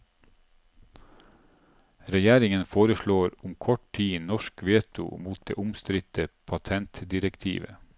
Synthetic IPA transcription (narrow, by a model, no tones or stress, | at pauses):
ɾɛjæːɾɪŋənfoːɾəʃɭoːɾʊmkʰɔʈʈʰiːnɔʃkʋeːt̪ʊ̰muːt̪̚d̪ḛːʔʊmst̪ɾɪt̪əpʰɑt̪ʰɛnt̪d̪ɪɾəkt̪ʰḭːʋə̰